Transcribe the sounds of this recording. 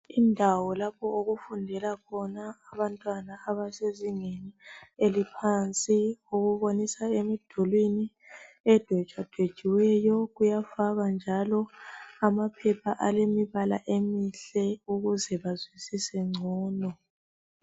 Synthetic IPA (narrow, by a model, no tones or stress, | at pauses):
indʱawɔlapʰɔoɣufundʱɛlakʰɔnaːβantʼwanaːβaseziŋenielipʰant͡sʼioɣuβonisaemid̥ʱɔlwini | ɛd̥ʱɛ̥t͡ʃʼwad̥ʱwe̥t͡ʃiwɛjɔɣujafaɣand͡ʒʱalɔamapʰɛpʰaʔalemiβala̰ʔemiɬɛuɣuzɛβazwisisɛŋ͡ǀʱɔːnɔ